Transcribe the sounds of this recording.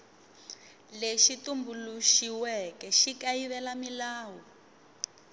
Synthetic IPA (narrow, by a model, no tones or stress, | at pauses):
leʃitumbuluʃiwɛkɛʃikajiβɛlamilaːwɔ